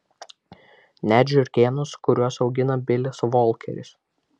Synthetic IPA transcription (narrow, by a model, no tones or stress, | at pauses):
nʲæd͡ʒʲʊɾʲkʲeːnʊskʊɾʲuɔsɒʊɡʲɪnɐbʲɪlʲɪsʋɔlʲˠkʲɛ̰ɾʲɪ̰s